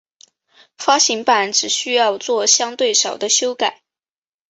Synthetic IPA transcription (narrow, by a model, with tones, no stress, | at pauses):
fa˥ɕi˧˥ŋpa˨˩nʈ͡ʂɻ̩˨˩ɕy˥jɑ˥˧ʊt͡swɔ˥˩ɕjɑ˥ŋt̪we˥˩ɪʂɑ˨˩ʊd̪ə˦ɕjo˥ʊka˨˩˦ɪ